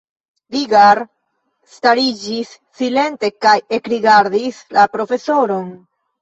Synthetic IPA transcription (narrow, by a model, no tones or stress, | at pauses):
viɡaɾ | staɾid͡ʒisːile̞nte̞kaje̞kɾiɡaɾdislapɾo̞fe̞so̞ɾo̞n